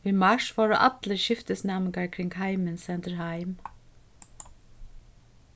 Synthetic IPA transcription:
ʋiːmɑʃfɑːɹʊ̰ʔɑd̪ləʃɪft̪əsnɛmɪɡaɹkʰɾɪŋɡhaɪmɪnsɛnt̪əɹhaɪm

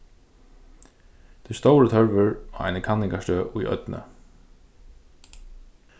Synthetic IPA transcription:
t̪ʰɛːst̪owɾət̪ʰœɹʋʏɹɔːa̰jnəkʰanːɪŋkaʂt̪øːʔʊjʔœ̰t̪nʔə̰

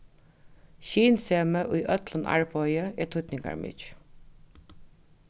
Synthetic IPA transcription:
ɕiːnseːməʔʊjʔœt̪lənʔa̰ɹpɔjəʔɛːt̪ʰʊt̪nɪŋka̰ɹmɪ̰t͡ʃ

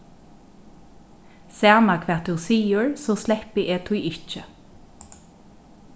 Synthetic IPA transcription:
sæːmakʰʋɛːt̪̚d̪ʉːsiːəɹsoːslɛhpɪʔeːt̪ʰuːɪt͡ʃə

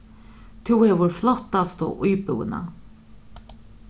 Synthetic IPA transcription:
t̪ʰʊhɛːʋʊɾflɔht̪ːast̪ɔ̰ʔujpʊwɪ̰na̰

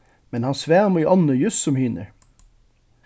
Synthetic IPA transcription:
mɛnhɑnsʋæːmʏːʔɔnəjʉssɔmhyːnə̰ɹ

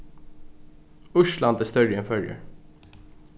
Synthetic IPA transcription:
ʊʃlɑnd̪əst̪œljənfœljə̰ɾ

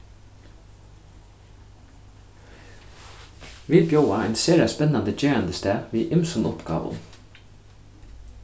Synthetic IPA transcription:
ʋiːlbjoʊaɛnseːɹaspɛnand̪əd͡ʒeːɹand̪əst̪æːʋiːʔɪmsɔnʊpɡɑ̰ːʋʊ̰n

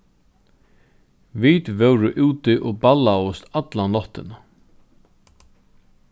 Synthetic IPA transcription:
vit̪vœwɾɪʔuwt̪ɪʔɔɣbalaʊst̪at̪lanlɔht̪ɪna

